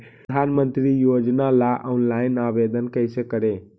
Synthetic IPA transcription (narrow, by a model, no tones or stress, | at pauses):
aːnmənt̪ɾijoːd͡ʒnalaʔɔnlainaʋed̪ənkəjsekəɾe